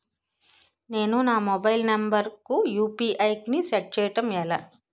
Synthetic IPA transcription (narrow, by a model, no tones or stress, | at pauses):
ne̞ːnunaːmɔbɐjlnɐmbɐɾkujuːpiːʔɐjknisɐʈ̚t͡ʃɛːjɐʈɐmɛla